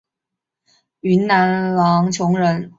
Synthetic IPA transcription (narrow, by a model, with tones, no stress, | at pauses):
y˧˥nna˧˥nlɑ˧˥ŋt͡ɕʰjʊ˧˥ŋɻə˧˥n